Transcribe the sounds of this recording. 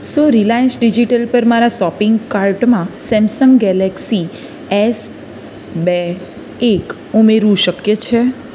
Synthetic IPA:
soɾilajənsɖid͡ʒiʈəlpəɾmaɾaʃɔpɪŋɡkaɾʈmãsɛ̃msəŋɡɡɛlɛksi | es | be | ek | umeɾʋũʃəkjet͡ʃʰe

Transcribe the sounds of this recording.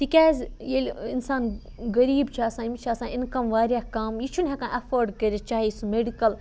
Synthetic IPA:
t̪ikʲaːzʲjelʲinsaːn | ɡɐɾiːbt͡ʃʰaːsãːimit͡ʃʰaːsãːinkɐmʋaːɾjaːkaːmjit͡ʃʰunʲɦɐ̃kãʔɐfoɾɖkɐɾit͡ʃaːɦisumeɖikɐl

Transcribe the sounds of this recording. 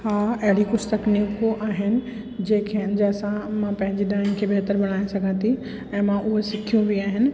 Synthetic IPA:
haːɐɦɪɽikʊst̪əknikoʔaːɦɪnɪ̆ | d͡ʑẽːkʰeɐnɪ̆d͡ʑeɐsãmãpɐ̃ɦɪ̃ɲd͡ʑiɗãːnɪkʰeːbeɦt̪əɾbɐɽ̃aːesɐɡʱə̃nt̪ʰi | ɛ̃ːmãʔʊɦosɪkʰijũʋiaːɦɪnɪ̆

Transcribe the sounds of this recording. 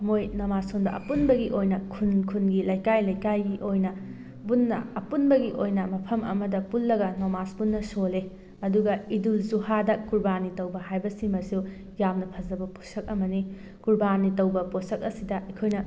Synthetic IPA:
ɐmojnomasundɐʔɐ̰punbɐɡiʔojnɐkʰunkʰunɡilɐjkajlɐjkajɡiʔojnɐ | bunːɐ̰ɐpunbɐɡiʔojnɐmɐpʰɐmʔɐ̰mɐdɐpulːɐɡɐnomasbunːɐsole | ɐduɡɐidulzuhadɐkuɾbanitɐwbɐɦajbɐsimɐsiw | jamnɐpʰɐzɐbɐposɐk̚ɐmɐni | kuɾbanitɐwbɐposɐk̚ɐsidɐʔɐkʰojnɐ

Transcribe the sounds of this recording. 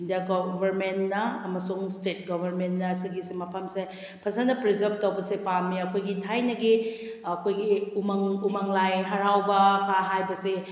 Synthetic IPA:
indijaɡobʱɐɾmentnɐːmɐsuŋstet̚ɡɔbʱɐɾmentnɐːsiɡisemɐpʰɐmse | pʰɐsanɐpɾizɐb̚tɐwbɐsepamiɐkʰojɡitʰajnɐɡi | ɐkʰojɡiumaŋumaŋlajɦɐɾawbɐkʰaɦajbɐse

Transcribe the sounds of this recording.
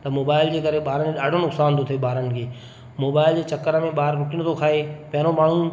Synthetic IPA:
t̪ɐmoːbaːɪld͡ʑeːkɐɾeɓaːɾənkeɗaːɖʱonʊksaːnt̪ʰot̪ʰieɓaːɾənɪ̆kʰeː | moːbaːɪld͡ʑeːt͡ɕɐkəɾəmẽɓaːɾɾʊʈiñt̪ʰokʰaːepɐ̃ɦɪnomaːɳ̤ũ

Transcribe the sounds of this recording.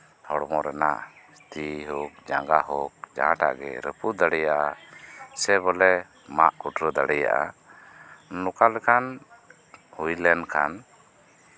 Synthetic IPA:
hɔɽmɔɾɛna̰ʔ | st̪iɦɔk̚d͡ʒaŋɡaɦɔk̚d͡ʒa̰ãʈa̰ʔɡɛ̰ɾəpud̪aɽɛjaʔasɛbɔlɛ | maʔkuʈɾəd̪aɽɛja̰ʔa̰ | nɔkalɛkʰan | hujlɛnkʰan

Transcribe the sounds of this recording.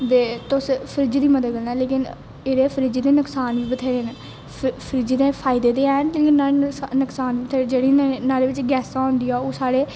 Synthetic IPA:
d̪eːt̪ʊspʰəɾɪd͡ʒd̪iːməd̪əd̪ɡəlnaːleːkɪn | eːɾeːpʰəɾɪd͡ʒːd̪eːnʊksaːnʋiːbət̪ʰeːɾeːn | pʰəɾɪd͡ʒed̪ẽːpʰaːɪd̪eːd̪eːɛːnleːkɪnːaːnʊksaːnʋiːbət̪ʰeːɾed͡ʒeːɽiːnaːleːʋɪt͡ʃɡɛːsaːɦõːnd̪iːaːoːsaːɽeː

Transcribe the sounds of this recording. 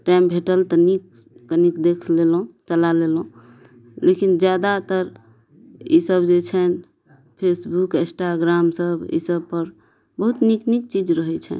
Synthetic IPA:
ʈajmbʱeʈəlt̪ənikː | ənikd̪ekʰlelɦũt͡ʃəlalelɦũ | lekind͡ʒjad̪at̪əɾ | ḭsəbd͡ʒet͡ʃʰɛn | pʰesbukẽsʈaɡɾamsəbḭsəbpəɾ | bəɦut̪niknik̚t͡ʃid͡ʒɾəɦɛt͡ʃʰɛ̰n

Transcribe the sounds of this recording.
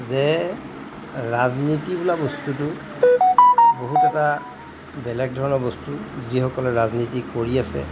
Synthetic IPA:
zɛ | ɹaznitibʊlabɔstutʊ | boɦutɛta | bɛlɛɡ̚dʱɔɹɔnɔɹbɔstuzihɔkɔlɛɹaznitikoɹiasɛ̰

